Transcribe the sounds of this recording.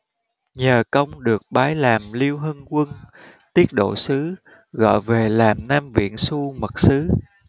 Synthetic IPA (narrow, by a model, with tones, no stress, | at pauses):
ɲəː˨˩kə˧wŋ͡mɗɨ˨˩ək̚ɓaː˨˦jlaː˨˩mli˧əwɦə˧nkwə˧n | t̪i˦˥ət̚ɗo̰˧˨sɨ˨˦ | ɣɔ̰˧˨jve˨˩laː˨˩mnaː˧mvḭ˧˨ənsu˧mə˨˩t̚sɨ˨˦